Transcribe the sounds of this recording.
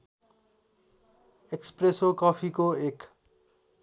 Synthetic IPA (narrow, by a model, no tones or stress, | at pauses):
ekspresokʌpʰikoek